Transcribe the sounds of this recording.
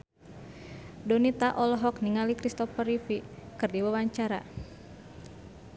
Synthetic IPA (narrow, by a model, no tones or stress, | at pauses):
dɔnit̪aʔɔlɔɦɔkniŋalikɾist̪ɔfərifikɨrdiwawaɲt͡ʃaɾa̰